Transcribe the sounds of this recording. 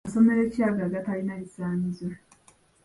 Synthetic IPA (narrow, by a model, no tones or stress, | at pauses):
so̞me̞ɾe̞caɡaːɡatalinaisaːɲizo